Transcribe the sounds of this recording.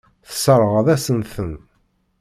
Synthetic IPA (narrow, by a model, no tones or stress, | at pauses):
θə̥səɾˤəʁəðæsənθən